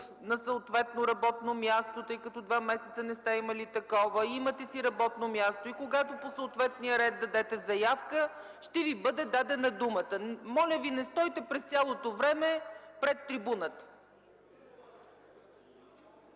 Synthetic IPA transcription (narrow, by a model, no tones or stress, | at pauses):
nɐsəot̪vɛt̪noɾɐbɔt̪nomʲjast̪ot̪ɤjkɐt̪ɔd̪vamɛsɛt̪sənɛst̪aimɐlit̪ɐkɔvəimət̪ɛsiɾɐbɔt̪nomʲjast̪oikoɡat̪oposəːt̪vɛt̪nijəɾɛd̪̚d̪ɐd̪ɛt̪ɛzɐjafkə | ʃt̪ɛvibɤd̪ɛd̪ad̪ɛnəd̪umət̪əmɔlʲəvinɛst̪ɔjt̪ɛpɾɛst̪ʲalˠot̪ovɾɛmɛpɾɛt̪ːɾibunət̪ə̥